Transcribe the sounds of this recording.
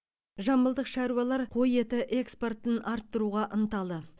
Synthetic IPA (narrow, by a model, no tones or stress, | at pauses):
ʒɑmbəlˠd̪əqʃɑɾuwɑlˠɑɾqʰo̞je̞t̪ɪʔe̞kspo̞rt̪ənʔɑɾt̪ːəɾuʁɑʔənt̪ɑlˠd̪ə